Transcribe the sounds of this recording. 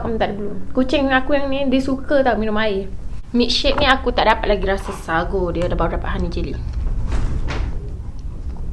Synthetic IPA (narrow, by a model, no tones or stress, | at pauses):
kamt̪aʔdibəlʊmkut͡ʃɪŋŋakujaŋnidisukət̪aumĩnʊmaɪhmiʔ̚ʃɛʔ̚nĩakut̪aʔdapat̪̚laɡiɾasasaɡodiədabawaʔdapat̪̚ɦanid͡ʒili